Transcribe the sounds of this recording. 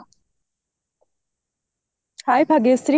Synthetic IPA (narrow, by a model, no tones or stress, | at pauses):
hajpʰaɡesɾi